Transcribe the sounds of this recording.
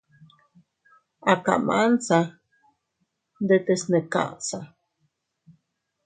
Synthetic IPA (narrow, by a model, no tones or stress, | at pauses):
aka̰ʔmansa | d̪et̪esneka̰ʔsa